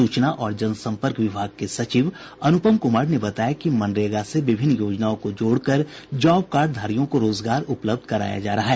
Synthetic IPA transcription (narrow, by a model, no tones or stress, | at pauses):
uːt͡ʃnaʔɔːɾd͡ʒɐnsɐ̃mpəɾkʋɪbʱaːɡ̚kesɐt͡ʃiːʋ | ɐnʊpəmkʊmaːɾnebɐt̪aːjakimɐ̃nɾeːɡaseʋɪbʱɪnːjoːd͡ʒnaːõkod͡ʒoːɽkəɾd͡ʒɔːb̚kaːɾɖ̚d̪ʱaːɾijõkoɾoːzɡaːɾʊpləbd̪ʱkɐɾa̰ːja̰d͡ʒa̰ːɾɐɦaɦɛː